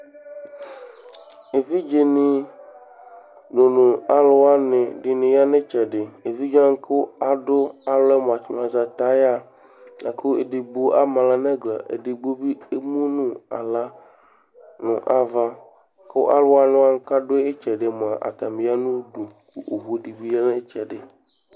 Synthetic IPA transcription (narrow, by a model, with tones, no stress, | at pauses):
e˨vi˦d͡ʒe˨nɪ̃˨ | no˨nʊ̃˨a˦lo˦a˦nɪ̃˨ɖɪ˨nɪ̃˨ja˦ne˦t͡ʃɛ˨ɖɪ˨e˨vi˦d͡ʒa˦ŋ̩˦ke˦wa˨ɖo˦a˨lɛ˦m˨a˨t͡ʃmã˨za˨t̪a˨˦ja˦ | a˨ke˦o˦ḛ˨de˨ɡ͡bu˦ʔa˦mã˨la˦nɛ̃˦ɡla˨ʔḛ˨dɪ˨ɡ͡bo˦bi˦e˦mũ˦nũ˦a̰˨la˦ | nʊ̰̃˨ʔa˨va˦ | ke˦wo̰˦ʔa˦lʊ˦a˦nɪ̃˦wa˦ŋ̩˦ka˦ɖo˦e˦t͡ʃɛ˨ɖe˨mõ˨a˨ʔa̰˨t̪a˨mĩ˨˦a˦nũ˦dũ˨ku˦ʔo˨vo˨˦ɖi˨bi˦ja˦ne˦t͡ʃɛ˨ɖɪ˨